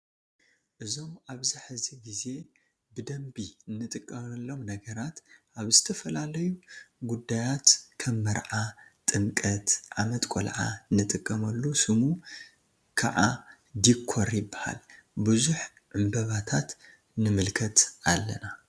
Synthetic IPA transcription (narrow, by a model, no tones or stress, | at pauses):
ʔɨzo̞mʔaβziħɨziɡize̞ | bɨd̪ɐmbiɨnːɨt̪ʼɨkʼːɐmɐlːo̞mnɐɡɐɾat̪ʔaβzɨt̪ʰɐfɐlalɐjuɡud̪ːajat̪kʰɐmːɐɾʕat̪ʼɨmkʼɐt̪ʕamɐt̪ʼkʷʼo̰lʕanːɨt̪ʼɨkʼːɐmɐlːusɨmu | kʰa̰ʕa | d̪ikʰːoɾjɪbːaha̰lbɨzuħ | ʕɨmbɐβat̪ʰat̪ | nɨmɨlkʰɐt̪ʔalːɐ̰na